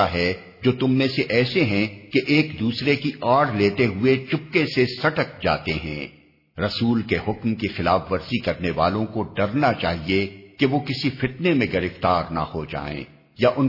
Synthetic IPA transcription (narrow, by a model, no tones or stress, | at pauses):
aɦɛ | d͡ʒoːt̪ʊmːẽseʔɛːseɦɛ̃keʔeːkd̪uːsɾekiʔaːɽleːt̪eɦʊet͡ʃʊpkesesɐʈək̚d͡ʒa̰ːt̪eɦɛ̰̃ː | ɾɐsuːlkeɦʊkmkixɪlaːfʋɐɾzikɐɾneʋa̰ːlõkoɖɐɾnat͡ʃa̰ːɦiekeʋokɪsifɪt̪nemẽɡɐɾɪft̪aːɾna̰hod͡ʒa̰ːḛ̃ː | jaʔʊn